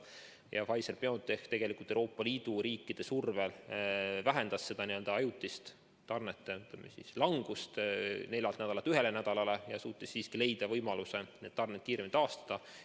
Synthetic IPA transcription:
jɑ̰fɑjserpeot̪ːˑeht̪e̞ɡ̥e̞likˑult̪ewɾoːpːˑɑliːd̪̥uɾiːkːˑid̪̥e̞survelvæɦe̞nd̪̥ɑsse̞d̪̥ɑniø̞ld̪̥ɑɑjut̪ːˑist̪ | t̪ɑrnet̪ːeyt̪ˑlemesḭslɑŋɡ̥ust̪ne̞lʲːɑlt̪næd̪ɑlɑt̪ːˑyɦe̞le̞næd̪̥ɑlɑle̞jɑsuːt̪ːˑisːiːskile̞jd̪̥ɑvɤjmɑluse̞neːd̪t̪ɑrnet̪̚kiːɾemint̪ɑːst̪ɑ̥d̪̥ɑ

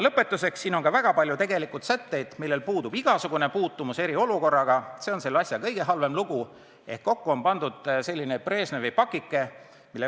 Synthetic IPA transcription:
lɤpːe̞t̪ːˑuse̞ksːiːno̞ŋkɑvæɡ̥ɑpɑlʲjut̪eɡe̞likːˑut̪sæt̪ːe̞jd̪̥milːe̞lpuːd̪ub̥iɡ̥ɑsuɡune̞puːt̪ːˑumuse̞ɾio̞luko̞rːɑɡ̥ɑse̞onse̞lːɑsʲjɑkɤjɡe̞ɦɑlve̞mluɡ̥u | e̞̰hkːo̞kːuo̞npɑnd̪̥ud̪̥se̞lʲːinepre̞ːsnevejpɑkːˑikːˑe̞ | milːe

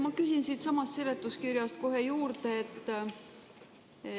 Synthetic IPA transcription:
mɑkysʲinsit̪sɑmɑst̪sele̞t̪ːˑuskirjɑst̪ko̞ɦe̞juːɾt̪e̞et̪ː

